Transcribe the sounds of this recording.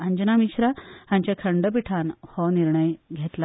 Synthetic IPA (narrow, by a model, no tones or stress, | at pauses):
əɲd͡ʑənamiɕɾahãɲt͡ɕjakʰəɳɖəp̬iʈʰanhɔniɾɳəjɡʱet̪la